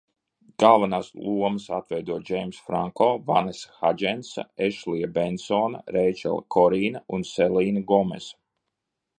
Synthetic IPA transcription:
ɡ̥alˠvanaːslˠuɔmɨsat̪vɛjd̪uɔd͡ʒɛjmsfɾaŋkɔːvanesḁxad͡ʒɛnsa̰eʃlijabɛnsɔːna̰ɾejt͡ʃɛ̰lˠkʰɔɾiːnaunselˠiːnɡɔmḛs

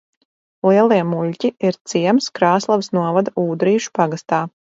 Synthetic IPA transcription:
lˠiɛlˠiɛmuʎʲcʲiiɾt̪siɛmskɾaːslˠavsnuɔvad̪uːd̪ɾiːʃu̥paɡast̪aː

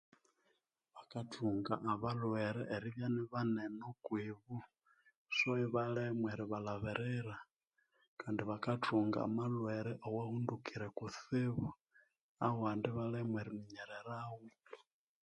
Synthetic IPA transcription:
βakatuŋɡaʔːβalweɾɛʔːɾiβjaniβanenokwiβu | soiβalemweɾiβalaβeɾɛɾa | kandiβakatuŋɡa̰ːmalweɾɛʔowahundukiɾekuθiβu | awandiβalɛmweɾimiɲɛɾeɾawu

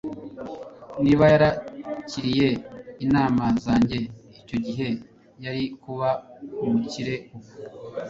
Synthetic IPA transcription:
niβajaɾaciɾije̞inaːmazaːɲɟe̞ico̞ɟiɦe̞ | jaɾikuβaumuciɾe̞um

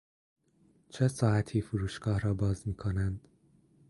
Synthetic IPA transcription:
t͡ʃʰesɒːæt̪ʰiːfuɾuːʃɡɒːhɾɒːbɒːzmiːkʰonænd̪̥

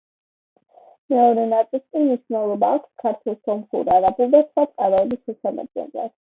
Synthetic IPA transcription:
mɛɔɾɛnat̪sʼilˠskʼimniʃwnɛlˠɔbaːkʰskʰaɾt̪ʰwɛlˠsɔmχṵɾiaɾabulˠd̪asχwat̪sʼqʼaɾɔɛbismɛsama̰d̪ɛ̰nd̪la̰d̪̥

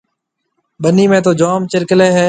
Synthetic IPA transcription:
ɓəniːmẽːt̪oːd͡ʒaːmt͡ʃɪɾkleːɦɛː

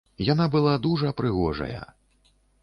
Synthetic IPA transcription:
janabɨlˠad̪uʐɐpɾɨɣɔʐɐ̰jɐ̰

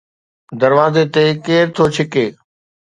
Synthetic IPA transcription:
d̪ɐɾʋaːzet̪eːkeːɾt̪ʰoːt͡ɕʰɪkeː

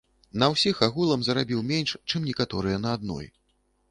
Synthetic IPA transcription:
nɐwsʲixaɣulˠɐmzɐɾabʲiwmʲenʲʂt͡ʂɨmnʲɛkat̪ɔɾɨjɛnɐːd̪̚nɔ̰j

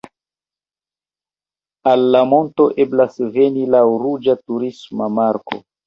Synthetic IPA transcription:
alːamo̞nto̞ʔe̞blasve̞nilaɾud͡ʒatuɾismamaɾko̞̰

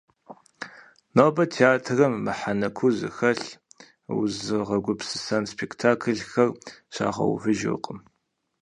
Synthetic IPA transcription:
noːbɐtʰeaːtʰrɐmːɨħanɐkʷʰuzɨ̰xɐɬ | w̰zɨʁɐɡʷʊpsɨ̥sɐnspʰektʰaːkʰɨɮxɐrɕa̰ːʁɐ̰w̰vɨʒɨ̰qʼəm

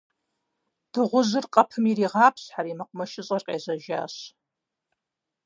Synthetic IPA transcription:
d̥ɨʁʷʊzɨrqʼɐpʰɨmiɾiːʁɑːpʰɕħaɾiːmɐqʷʼʊmɐʃɪɕʼɐrqʲʼḛːzɐʒa̰ːɕ

